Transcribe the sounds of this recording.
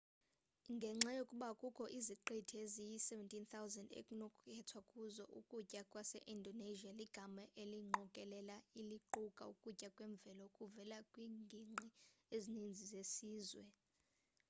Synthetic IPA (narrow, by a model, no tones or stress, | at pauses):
ŋɡʱɛŋ͡ǁʱajokʼuɓakʼukʰɔʔiziǃitʰezijisɛvɛntʼʰint̪awzandḛkʼunɔkʰɛtʰwakʼuzɔʔukʼucʼakʼwasɛ̰ʔindʱɔneʒialiɡ̥ʱamaʔeliŋ͡ǃʱɔkʼɛlɛlailiǃukʼa̰ukʼucʼakʼwɛɱb̪vʱɛlɔkʼuvɛlakʼwiːŋɡʱiŋ͡ǃiezinind͡zʱizesiːzwɛ